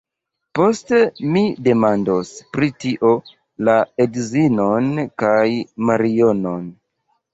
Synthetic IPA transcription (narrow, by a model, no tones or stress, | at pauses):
po̞ste̞mide̞mandospɾitiʔo̞ | laedzinonkajmaɾio̞no̞n